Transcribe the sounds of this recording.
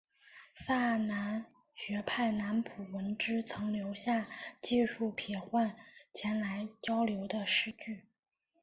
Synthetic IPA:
sa˥˩na˧˥n | ɕɥɛ˧˥pʰa˥˩ɪna˧˥npʰu˨˩wə˧˥nʈ͡ʂɻ̩˥t͡sʰɤ˧˥ŋljo˧˥ʊɕja˥˧t͡ɕi˥˧ʂu˥˩pʰjɛ˨˩xwa˥˩nt͡ɕʰjɛ˧˥nla˧˥ɪt͡ɕjɑ˥ʊljo˧˥ʊd̪ə˧ʂɻ̩˥˧t͡ɕy˥˩

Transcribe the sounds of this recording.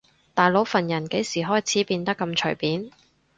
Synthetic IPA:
t̪aː˨jlo˨˥wfɐ˨˩njɐ˨˩nke˨˥jsiː˨˩ɦɔː˥˩jt͡sʰiː˨˥piː˧nt̪ɐ˥kːɐ˧mt͡ʃʰɵ˨˩ɥpiː˨˥n

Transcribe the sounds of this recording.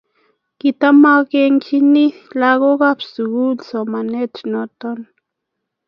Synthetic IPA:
ki˧t̪a˦ma˦ɡe˧ŋt͡ʃi˦ni˦la˧ɣo˦ɡa˦psu˨ɡu˦lso˨ma˨ne˦t͡ʃno˧t̪o˦n

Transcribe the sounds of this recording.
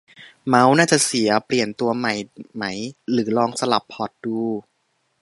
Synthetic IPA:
ma˦˥wnaː˥˩t͡ɕa˨˩ʔsi˩˦ɐpli˨˩ənt̪u˧ɐma˨˩jma˦˥˩jlɯː˩˦lɔː˧ŋsa˧la˨˩pʰːɔː˨˩t̪̚duː˧˩

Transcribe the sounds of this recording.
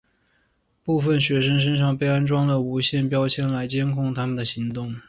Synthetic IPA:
pu˥˩fə˥˩nɕɥɛ˧˥ʂə˥ŋʂ̬ə˥nʂ̬ɑ˥˩ŋpe˥ɪa˥nʈ͡ʂwɑ˥ŋd̪ə˨u˧˥ɕjɛ˥˩npjɑ˥ʊt͡ɕʰjɛ˥˩nla˧˥ɪt͡ɕjɛ˥nkʰʊ˥˩ŋt̪ʰa˥mə˨nd̪ə˩ɕi˧˥ŋt̪ʊ˥˩ŋ

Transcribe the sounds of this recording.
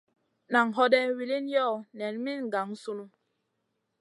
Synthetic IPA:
na˨ŋɦɔ˦dɛ˦wi˨li˦n˦jɔ˦˨nɛ˨n˦mi˦n˨ɡa˨˦ŋ˦su˦lu˦

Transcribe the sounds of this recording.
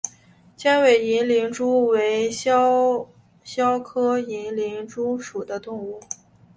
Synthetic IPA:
t͡ɕjɛ˥nwe˨˩ɪi˧˥nli˧˥nʈ͡ʂu˥we˧˥ɪ˥ | ɕjɑ˥ʊkʰɤ˥i˧˥nli˧˥nʈ͡ʂu˥ʂu˨˩d̪ə˦t̪ʊ˥˧ŋu˥˩

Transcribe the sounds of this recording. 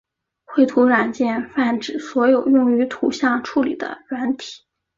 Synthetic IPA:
xwe˥˩ɪt̪ʰu˧˥ɻa˨˩nt͡ɕjɛ˥˧nfa˥˩nʈ͡ʂɻ̩˨˩swɔ˧˥jo˨˩ʊjʊ˥˩ŋy˧˥t̪ʰu˧˥ɕjɑ˥˩ŋʈ͡ʂʰu˥˩lḭ˨˩d̪ə̰˦ɻwa˧˥nt̪ʰi̥˨˩˦

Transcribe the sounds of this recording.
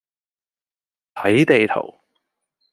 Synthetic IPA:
t̪ʰɐ˨˥jt̪e˨jt̪ʰo̰˨˩w

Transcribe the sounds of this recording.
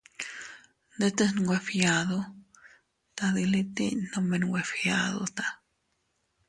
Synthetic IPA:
nd̪e˦t̪e˦snɡʷwe˧˨fja˨d̪o˧ | t̪a˧d̪i˧li˧t̪ḭ˦ɲno˧me˧nɡʷwe˧fja˧ðo̰˧t̪ḁ˧

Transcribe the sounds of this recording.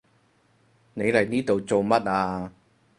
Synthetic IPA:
ne˨˧jlɐ˨˩jniː˥t̪o˨wt͡so˨wmɐ˥t̚ʔaː˧

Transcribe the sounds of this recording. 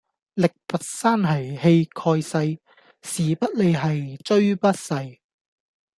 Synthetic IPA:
lɪ˨k̚pɐ˨t̚saː˥nɦɐ˨jhe˧jkʰɔː˧jsɐ˧j | siː˨pɐ˥t̚le˨˧jɦɐ˨jt͡ʃɵ˥ɥpɐ˥t̚sɐ˧j

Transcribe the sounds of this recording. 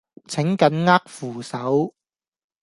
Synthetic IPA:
t͡sʰɪ˨˥ŋkɐ˨˥nŋaː˥k̚fuː˨˩sɐ˨˥w

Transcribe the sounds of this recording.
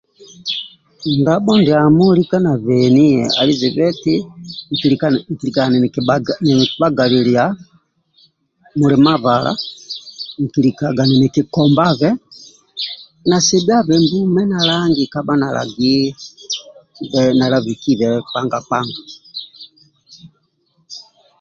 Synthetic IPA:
ŋɡa˦ɓɔ˦ndɛ˨a˨mu˦li˦ka˦na˨vɛni˦ɛ̰˨a̰˨li˦zɛ˨bɛ˦ti˦ŋ̩˨kikŋ̩˨ki˨lika˨n˨nɛ˨ki˨ba˦ɡa˨lilia | mu˨lɛ˨ma˦βalʔa̰˦ | ŋ̩˨ki˨li˨ka˨ɡa˨nɛ˨nɛ˨ki˨kɔ˨mba˦βɛ˦ | na˨sɛ˦bi˦a˦βɛ˨mbu˦mɛ˦na˨laŋɡika˦ba˦na˨la̰ɡi˦ | vɛna˨la˦βi˨ki˦βɛpa˦ŋɡa˨pa˦ŋɡa˨

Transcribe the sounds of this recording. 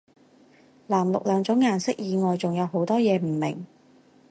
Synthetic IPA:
laː˨˩mlʊ˨k̚lœː˨˥ŋt͡ʃʊ˨˥ŋjaː˨˩nsɪ˥k̚jiː˨˧ŋɔː˨jt͡sʊ˨ŋjɐ˨˧who˨˥wt̪ɔː˥jɛː˨˧m̩˨˩mɪ̰˨˩ŋ

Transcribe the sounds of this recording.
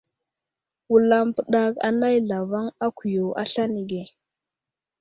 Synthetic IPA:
wu˨la˨mpə˨ɗa˨ka̰˨na˦jɮa˨va˦ŋa˦ku˨jo˨ʔa̰˦ɬa˦ni˨ɡe˨

